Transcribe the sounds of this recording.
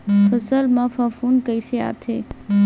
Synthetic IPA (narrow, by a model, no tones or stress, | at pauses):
fʰəsəlmãfafunkəjsea̰t̪ʰe